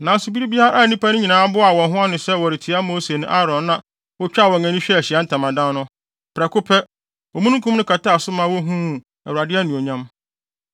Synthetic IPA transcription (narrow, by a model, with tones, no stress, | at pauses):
nã˨sʊ˨bi˦ɾi˦bi˦a˦ɾa˦ʔa˦˨nĩ˦pʰa˦nʊ̃˦ɲĩ˨nãː˨˦bʊ˦a˨wɔ̃˨nɦʊ̃˦a˦nɪ̃˨sɛ˦˨wɔ˨ɾɪ˨tʰi˨a˦mo˦se˨nʊ̃˦ʔa˦ɾɔ̃˨nnã˨ | wɔ˦t͡ɕᶣa˦˨wɔ̃˨ŋ˨æ̃˨nĩ˦ɕᶣɛ˦æ˨ɕi˨a˦n̩˦tʰã˨mã˨dã˦nnʊ̃˦ | pʰɾɛ˨kʊ˦pʰɛ˦ | ɔ˨mũ˦nũ˦kʰũ˦m˦nʊ̃˦kʰa˨ta˦˨sʊ˦mã˦wɔ˦ɦũ˦˨ | æ˨wu˨ɾa˨dɪ˦ɛ˦nĩ˨o˨ɲã˦m